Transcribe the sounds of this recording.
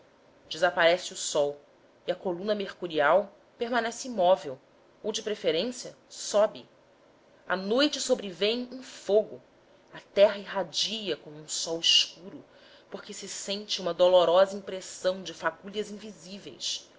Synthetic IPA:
d͡ʒɪzapaɾɛsɪʊsɔw | iɐkolũnɐmeχkuɾiaw | peɾmãnɛsɪimɔvew | owd͡ʒɪpɾefeɾẽsjɐ | sɔbɪ | ɐnojt͡ʃɪsobɾevẽj̃ẽfoɡʊ | ɐt̪ɛɦɐɪɦad͡ʒijɐkõmʊũsɔwɪskuɾʊ | poχkɪsɪsẽnt͡ʃɪũmɐd̪oloɾɔzɐĩpɾesɐ̃w̃d͡ʒɪfakuʎɐzĩvizivḛjs

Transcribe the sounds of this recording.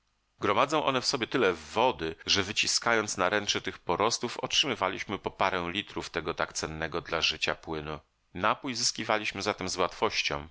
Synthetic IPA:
ɡɾɔmad̪zɔ̃w̃ʔɔ̰nɛfsɔbʲjɛt̪ɘlɛvɔd̪ɘʐɛvɘt͡ɕiskajɔnt̪snaɾɛnt͡ʂɛt̪ɘxpɔɾʔɔst̪ufɔ̰tʂɘmɘvalʲiɕmɘpɔpaɾɛ̃w̃lʲit̪ɾuft̪ɛɡɔt̪akt̪sɛnːɛɡɔd̪laʐɘt͡ɕapwɘnu | napujzɘskʲivalʲiɕmɘzat̪ɛmzwat̪fɔɕt͡ɕɔ̰̃w̃

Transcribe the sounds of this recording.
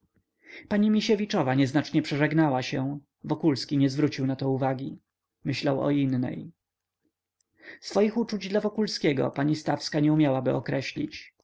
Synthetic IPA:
paɲimʲiɕɛvʲit͡ʂɔvaɲɛznat͡ʂɲɛpʂɛʐɛɡnawaɕɛ | vɔkulskʲiɲɛzvɾut͡ɕiwnat̪ɔuvaɡʲi | mɘɕlawɔ̰inːɛ̰j | sfɔjixut͡ʂud͡ʑd̪lavɔkulskʲɛɡɔ̰paɲist̪afskaɲɛumʲjawabɘɔkɾɛɕlʲḭt͡ɕ

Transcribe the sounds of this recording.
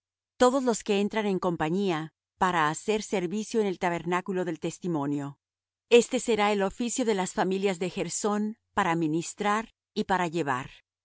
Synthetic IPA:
t̪o̞ðo̞zlo̞ske̞e̞nt̪ɾane̞ŋko̞mpaɲia | paɾaːse̞ɾse̞ɾβisjo̞ene̞lt̪aβ̞e̞ɾnakulo̞ðe̞lt̪e̞st̪imõ̞njo̞ | e̞st̪e̞se̞ɾae̞lo̞fisjoðe̞lasfamiljazðe̞xe̞ɾso̞npaɾaminist̪ɾaɾ | ipaɾaʝe̞βa̰ɾ

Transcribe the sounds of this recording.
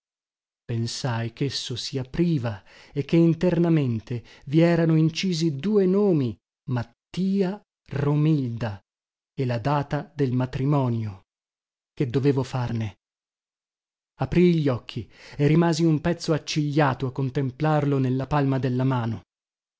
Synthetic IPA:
pensajk̟esːosiapɾiːva | ek̟ːeint̪ernament̪eviɛːɾanoint͡ʃiːzid̪uːenoːmi | mat̪ːiːa | romild̪a | elad̪aːt̪ad̪elmat̪ɾimɔːnjo | k̟ed̪ːoveːvofarne | apɾiʎːɔkʰːierimaːziumpɛt̪soat͡ʃːiʎːaːt̪oakːont̪emplarlonelːapalmad̪elːamaːno

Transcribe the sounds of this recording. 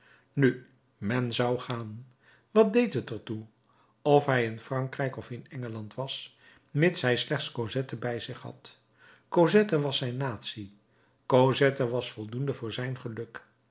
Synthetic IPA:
ny | mɛnzɑwχaːn | ʋɑt̚dejtɦətəɹtu | ɔfɦɛjɪnfrɑŋkrɛjkɔfɪnɛŋəlɑntʋɑs | mɪtsɦɛjslɛχtskowzɛtəbɛjzɪχɦɑ̰t | kowzɛtəʋɑsɛjnːaːtsi | kozɛtəʋɑsfɔlˠdundəvʊːɹzɛjnχəlɵk

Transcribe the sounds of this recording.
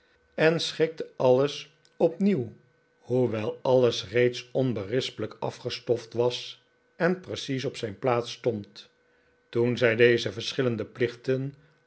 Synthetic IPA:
ɛnsχɪk̚təɑləs | ɔpniw | ɦuʋɛlˠɑləsrejtsɔnbərɪspələkɑ̰fχəstɔftʋɑs | ɛnprəsis̬ɔpsɛjnplaːtstɔnt | tunzɛjdejzəvəɹsχɪləndəplɪχtən

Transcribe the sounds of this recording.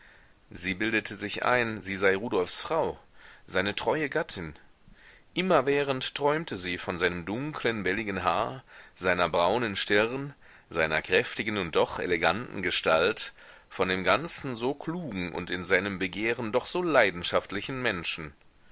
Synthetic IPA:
ziːbɪldətʰəzɪçʔa̰ɪnziːzaɪʁuːdɔlfsfʁ̥aʊz̥aɪnətʁ̥ɔʏəɡatʰɪn | ʔɪmɐvɛːʁ̞ənttʁ̥ɔʏmtʰəziːfɔnzaɪnəmdʊŋkʰlənbɛlɪɡən̩ɦaːɐz̥aɪnɐbʁaʊnənʃtɪʁn | zaɪnɐkʁ̥ɛftɪɡən̩ʊnt̚d̥ɔχʔḛleɡantn̩ɡəʃtalt | fɔndeːmɡant͡sn̩zoːkʰluːɡŋ̩ʔʊ̰ntɪnzaɪnəmbəɡeːʁəndɔχz̥oːlaɪdn̩ʃaftlɪçn̩mɛnʃn̩

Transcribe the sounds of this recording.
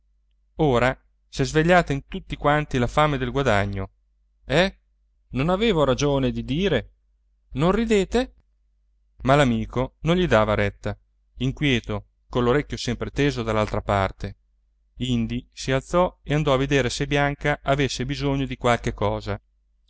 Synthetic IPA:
oːɾa | sezveʎːaːt̪aint̪ut̪ːikwant̪ilafaːmed̪elɡwad̪aɲːo | ɛ | nonaveːvoɾad͡ʒoːned̪id̪iːɾe | nonrid̪eːt̪e | malamiːkonõnʎid̪aːvaɾɛt̪ːa | iŋkwjɛːt̪o | konlːoɾekʲːjosɛmpɾet̪eːzod̪alːalt̪ɾapart̪e | ind̪isialt̪sɔeand̪ɔaved̪eːɾesebːjaŋkaʔavesːebizoɲːod̪ikwalkekːɔːza

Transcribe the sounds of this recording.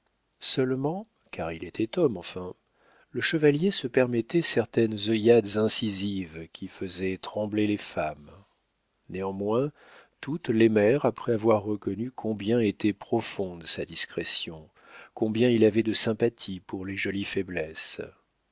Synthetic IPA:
sœlmɑ̃ | kaʁilet̪ʰɛt̪ɔmɑ̃fɛ̃ | ləʃəvaljesəpɛʁmɛt̪ɛsɛʁt̪ɛnzɔjad̪zɛ̃sizivkʲʰifəzɛt̪χɑ̃blelefam | neɑ̃mwɛ̃ | t̪ut̪lemɛʁapχɛavwaʁːəkɔnykʰɔ̃bjɛ̃et̪ɛpχɔfɔ̃d̪sad̪iskχɛsjɔ̃ | kɔ̃bjɛ̃ilavɛd̪əsɛ̃pat̪ʰipuʁleʒɔlifɛblɛs

